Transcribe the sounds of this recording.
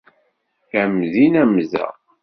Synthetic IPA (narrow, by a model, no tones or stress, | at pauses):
æmðinæmzæ̰